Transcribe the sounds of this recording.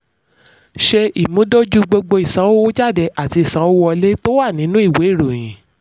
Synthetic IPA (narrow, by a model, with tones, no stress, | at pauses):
ʃe˧i˨mũ˦do˦d͡ʒu˦ɡ͡bo˧ɡ͡bo˧i˨sã˨˦wo˦wo˦d͡ʒa˦˨dɛ˧ʔa˨ti˧i˨sã˨˦wo˦wɔ˧le˦to˦wa˦˨nĩ˨˦nũ˦i˦˨we˨˦˨ɾo˨j̃ĩ˨˦